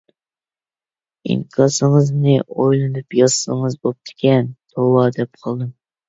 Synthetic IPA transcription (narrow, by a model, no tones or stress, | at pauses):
ḭŋkʰɑsɨŋəznɨʔojlˠɨnɨpjɑsːəŋɨzbop̚t̪ʰɪ̥kʲʰɛnt̪ʰowˠɑd̪ɛp̚qʰɑlˠd̪ɨm